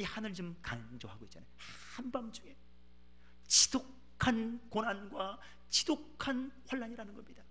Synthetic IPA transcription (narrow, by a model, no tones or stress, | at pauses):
ihanɯɭt͡ɕomkaŋd͡ʑoɦaɡoit̚t͡ɕanajo | hambamd͡ʑuŋe̞ | t͡ɕiso | kʰankonanɡwa | t͡ɕisokkʰanɸwaɭːaɲiɾanɯnɡʌmɲid̥a